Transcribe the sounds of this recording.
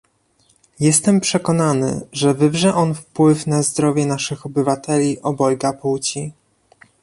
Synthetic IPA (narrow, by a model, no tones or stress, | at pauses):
jɛst̪ɛmpʂɛkɔnanɘ̰ʐɛvɘbʐɛʔɔnfpwɘfnazd̪ɾɔvʲjɛnaʂɘxɔbɘvat̪ʰɛlʲiʔɔbɔjɡapuwt͡ɕi